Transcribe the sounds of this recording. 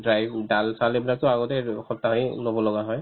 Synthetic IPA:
dɹajbdalsalebilak̚tɔaɡɔtɛxɔtːailobɔlɔɡaɦɔj

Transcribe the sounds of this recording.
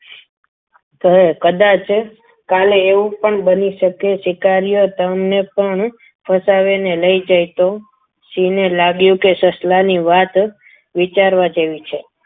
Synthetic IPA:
t̪əekəd̪at͡ʃ | kaleːʋũpəɳbəniʃəkeʃɪkaɾijot̪əmnepəɳ | fʰəsaʋeneləid͡ʒajt̪o | ʃinelaɡjũkesəslaniʋat̪ | ʋit͡ʃaɾʋad͡ʒeʋit͡ʃʰe

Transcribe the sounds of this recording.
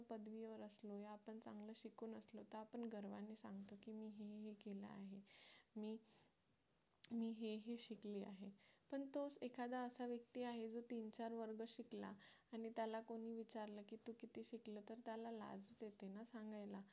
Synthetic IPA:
pəd̪ʋijʋəɾəslojaːpəɳt͡sã̰ŋɡləːɕikuːnəslot̪əapəɳɡəɾʋanesã̰ŋɡt̪okiːmiːɦeɦekela̰a̰ɦe | miː | miːɦeɦeɕikliːa̰ɦe | pəɳt̪osekʰad̪aəsaʋjək̚t̪iːaɦed͡zot̪iːnt͡ɕaɾʋəɾɡəɕikla̰ | aɽ̃it̪jalakoɽ̤̃iːʋit͡ɕaɾləkiːt̪okit̪iːɕikləːt̪əɾt̪jalala̰d͡zt͡set̪enasãŋɡajla

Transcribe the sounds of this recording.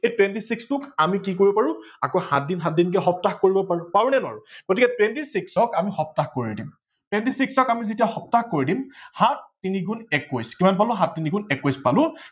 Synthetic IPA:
ejtwɛntisikstʊkamikikoɹibɔpaɹʊ̃akoha̰t̚dinɦat̚dink̬ɛxɔp̚taxkoɹibɔppaɹunɛnʊa̰ɹʊɡotikɛtwɛntisiksɔkamixɔp̚taxkoɹidim | twɛntisiksɔkamizitijaxɔptaxkoɹidimhatːiniɡunɛkojskimanpalʊ̃ɦat̚ːiniɡunɛkojspalʊ̃

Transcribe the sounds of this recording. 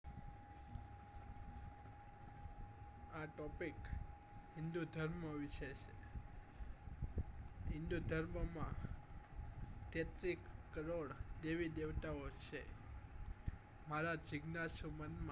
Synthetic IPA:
aʈɔpik | ɦɪnd̪ud̪ʱəɾməʋiʃeʃe | ɦɪnd̪ud̪ʱəɾməmã | t̪et̪ɾikːəɾoɽd̪eʋid̪eʋt̪aot͡ʃʰe | maɾad͡ʒɪɡnasumənmã

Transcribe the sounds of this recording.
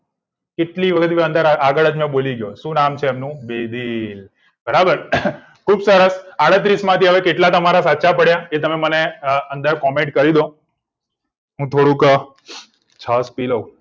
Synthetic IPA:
keʈliʋəkʰət̪ʋeə̃nd̪əɾaaɡəɭəd͡ʒmẽboliɡjoʃũnamt͡ʃʰeːmnũbed̪il | bəɾabəɾ | kʰuːbsəɾəsaɽət̪ɾismãt̪ʰiɦəʋekeʈlat̪əmaɾasatːt͡ʃapəɽjaet̪əmeməneənd̪əɾkɔmẽɳʈ̚kəɾid̪o | ɦũt̪ʰoɽũkə | t͡ʃʰəspiləu

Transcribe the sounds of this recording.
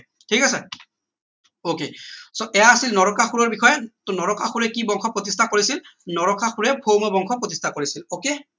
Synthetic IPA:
tʰikasɛ | okḛsɔʔɛjaːsilnɔɹɔkaxuɹɔɹbixɔjɛtʊnɔɹɔkaxuɹɛkibɔŋxʰɔpɹɔtistʰakoɹisilnɔɹɔkaxuɹɛpʰomɔbɔŋxʰɔpɹɔtistʰakoɹisiloke

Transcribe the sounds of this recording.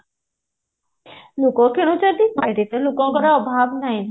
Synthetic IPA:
lukokenut͡ɕaɾd̪ik̚bajɾit̪alukokɔɾaɔbʱabnajn

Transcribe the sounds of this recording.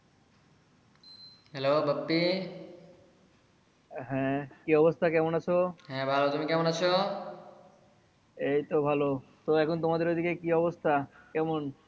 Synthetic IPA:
ɦelobabːi | ɦɛ̃kiɔbost̪ʰakɛmonat͡ɕʰoɦɛ̃bʱalot̪umikɛmoñat͡ɕʰo | ejt̪obʱalot̪oɛkʰont̪omad̪eɾod̪ʱikekiɔbost̪ʰakɛmon

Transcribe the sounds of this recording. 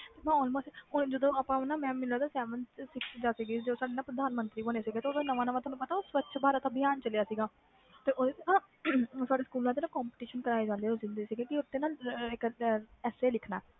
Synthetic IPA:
t̪eːmɛ̃ːɔːlmoːsʈɦʊnd͡ʒəd̪õːəpãːʊnãːmɛ̃ːmɪlaːd̪aːsɛːʋənsɪksd͡ʒaːsiːɡeːd͡ʒəoːsaːɖeːnaːpɾəd̪aːnmə̃nt̪ɾiːoːneːsiːɡeːt̪eoːd̪eːnəʋãːnəʋãːt̪ʰaːnũpət̪aːoːsʋət̪ːʃbaːɾaːt̪ãːbɪjaːnt͡ʃəlejaːsiːɡaː | t̪eːʔod̪eːt̪ːnãː | saːɖeːskuːlãːt̪eːnãːkɔːmpɪʈiːʃənkəɾaːeːd͡ʒãːnd̪eːɦosɪ̃nd̪eːsiːɡeːkɪʊt̪ːeːnaːlɪkɛːseːlɪkʰna̰ː

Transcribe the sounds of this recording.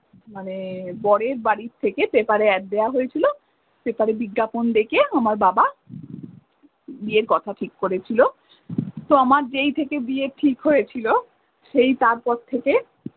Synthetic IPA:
manebɔɽeɾbaɽitt̪ʰːekebepaɾeɛʈ̚d̪eaɦojet͡ɕʰilo | bepaɾebiɡːapond̪ekeamaɾbaba | bieɾkɔt̪ʰaʈʰikkoɾet͡ɕʰilo | t̪oamaɾd͡ʑejt̪ʰekebieʈʰikɦojet͡ɕʰilo | ʃejt̪aɾpɔɾt̪ʰeke

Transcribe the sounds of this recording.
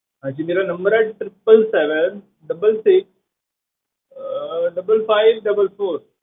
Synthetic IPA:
ãt͡ʃimiɾanɐmbəɾeɖ̚ʈɾɪpːəlsɛʋən | ɖɐbəlsɪks | ɖɐbəlfaɪʋɖɐbəlfoːɾ

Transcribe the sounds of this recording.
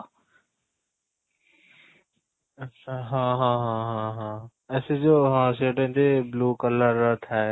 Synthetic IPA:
ɐt͡ʃʰaɦãːɦãːɦãɦãɦãː | ɛːsed͡ʒoːɦãːseːʈẽnt̪ebluːkələɾət̪ʰɦɛ

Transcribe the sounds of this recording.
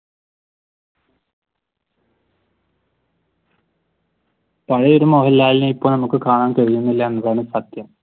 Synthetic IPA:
pɐɻɐjoɾumoɦɐlːaːlinɨipːoːɭnɐmukːɨkaːɳaːnkɐɻijunːilːɐnːrɐɳɨsɐt̪jɐm

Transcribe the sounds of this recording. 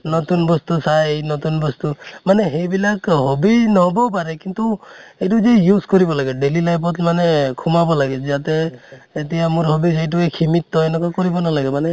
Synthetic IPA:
nɔt̪unbɔst̪usajenɔt̪unbɔst̪umaneɦebilakɦobinɔɦbɔpaɾekint̪uejʈud͡ʒejuskɔɾibɔlaɡɛɖelilajpɔt̪manekʰumabɔlaɡɛd͡ʒat̪eːt̪iamuɾɦɔbisejʈ̬uekʰimit̪ːɔenɔkakɔɾibɔnalaɡɛmane

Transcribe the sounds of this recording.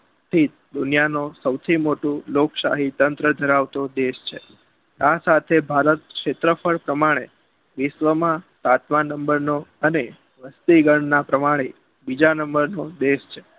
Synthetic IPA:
st̪ʰit̪̚ | d̪ʊnijanosəwt̪ʰimoʈũlokʃa̰ɦit̪ənt̪ɾəd̪ʱəɾaʋt̪od̪eʃt͡ʃʰe | asat̪ʰebʱaɾət̪̚kʃet̪ɾəfʰəɭpɾəmaɽ̃e | ʋɪʃʋəmãt̪at̪mãnːəmbəɾnoəne | ʋəst̪iɡəɳnapɾəmaɽ̃e | bid͡ʒanəmbəɾnod̪eʃt͡ʃʰe̥

